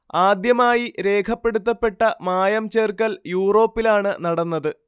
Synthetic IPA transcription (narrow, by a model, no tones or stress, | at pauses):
aːd̪jɐmaːjiɾe̞ːkʰɐpːe̞ɽut̪ːɐpːe̞ʈːɐmaːjɐmt͡ɕe̞ːrkɐljuːro̞ːpːilaːɳɨnɐɽɐnːɐðɨ